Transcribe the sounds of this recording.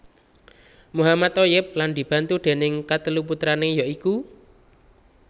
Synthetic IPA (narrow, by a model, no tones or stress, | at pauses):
muɦamat̪ojɪp̚land̪i̤b̥a̤nt̪uɖ̪̥e̤nɪŋkat̪əluput̪ɾanejaʔiku